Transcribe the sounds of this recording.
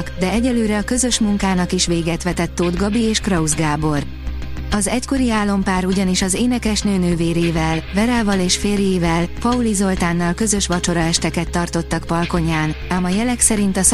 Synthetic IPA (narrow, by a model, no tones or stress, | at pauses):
kd̪ɛɛɟɛløːɾɛɒkø̞zø̞ʃmuŋkaːnɒkiʃʋeːɡɛt̪ʋɛt̪ɛt̪ːoːd̪ɡɒbieːʃkrɒuzɡaːbo̞r | ɒzɛcko̞ɾiaːlːo̞mpaːɾuɟɒniʃɒzeːnɛkɛʃnøːnøːveːɾeːvɛlvɛɾɛːvɒleːʃfeːrjejivɛlpɒulizo̞lt̪aːnːɒlkø̞zø̞ʃʋɒt͡ʃo̞ɾɒɛʃt̪ɛkɛt̪ːɒrt̪o̞t̪ːɒkpɒlko̞ɲaːnamɒjɛlɛksɛɾint̪ɒs